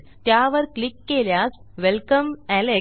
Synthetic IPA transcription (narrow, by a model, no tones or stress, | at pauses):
t̪jaːʋɐɾklikːeːljaːsʋelkɐmæle